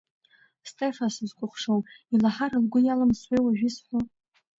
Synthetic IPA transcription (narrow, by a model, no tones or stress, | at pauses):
stʼefasɨzkʷʼʊχʷʂowilaħaɾalɡʷʊjalamswejwaʒᶣisħʷo